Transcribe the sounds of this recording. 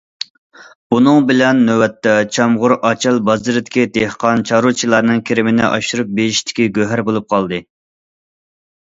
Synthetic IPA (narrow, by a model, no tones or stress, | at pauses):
bunɨŋbɪlɛnːøwɛt̪ʰːɛt͡ʃʰɑmʁʊɾʔɑt͡ʃʰɨlˠbɑzɨɾɪd̪ɪ̥kʲid̪ehqɑnt͡ʃʰɑɾut͡ʃʰilˠɑɾnɨŋkʲʰeɾɪmɪnɪ̰ʔɑ̰ʃuɾup̚beɪʃt̪ʰɪ̥kʲiɡʲøɦæɾbolˠup̚qʰɑlˠd̪ɨ